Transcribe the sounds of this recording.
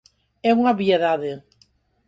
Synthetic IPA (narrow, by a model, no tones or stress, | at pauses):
ɛuŋaβieðaðe